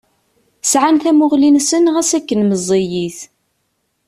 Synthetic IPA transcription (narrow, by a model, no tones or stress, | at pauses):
sʕanθæmʊʁlinsənʁæsækːənməzˤːejiθ